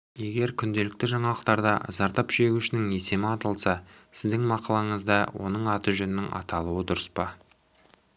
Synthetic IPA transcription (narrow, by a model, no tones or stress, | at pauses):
je̞ɡʲe̞ɾkʲʰʏnd̪e̞lɪk̚t̪ɪʒɑɴɑlˠəqt̪ɑɾd̪ɑ̰zɑɾt̪ɑpʒe̞ɡʲuʃɪnɪŋe̞se̞mɪɑt̪ɑlˠsɑ | sɪzd̪ɪŋmɑqɑlˠɑɴəzd̪ɑwʔo̞̰nəɴɑt̪əʒɵnɪnɪŋɑ̰t̪ɑlˠuəd̪ʊɾəspɑ